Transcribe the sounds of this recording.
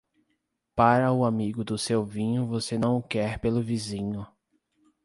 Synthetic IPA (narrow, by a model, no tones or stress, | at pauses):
paɾɐʊamiɡʊd̪ʊsewvĩɲʊvosenɐ̃w̃kɛɾpelʊvizĩɲʊ